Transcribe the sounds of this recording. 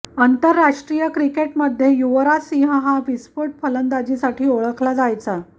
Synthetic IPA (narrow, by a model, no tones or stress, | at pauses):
ənt̪əɾːaʂʈɾijəkɾikeʈməd̪ʱːjejuʋəɾasĩɦəɦabispuʈ̚pʰələnd̪ad͡ʑisaʈʰiːoɭəkʰlad͡zajt͡sa